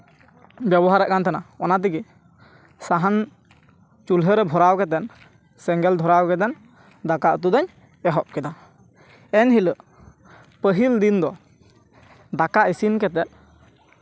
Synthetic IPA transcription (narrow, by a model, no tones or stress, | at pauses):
bjɛbɔɦaɾɛʔ̚kant̪ʰanaɔnat̪̬iɡi | saɦan | t͡ʃulɦəɾɛbʱɔɾawkɛt̪ɛn | sɛŋɡɛld̪ʱɔɾawkɛt̪̬ɛn | d̪akaʔət̪̬ud̪ɔɲ | ɛɦɔp̚kɛd̪a | ɛnɦiləʔ | pəɦild̪ind̪ɔ | d̪akaʔisinkɛt̪ɛt̪̚